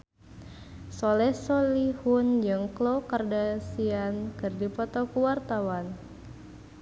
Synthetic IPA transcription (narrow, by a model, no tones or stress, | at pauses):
solɛsolihund͡ʒɨŋklokardasiankɨrdipɔt̪ɔkuwart̪awan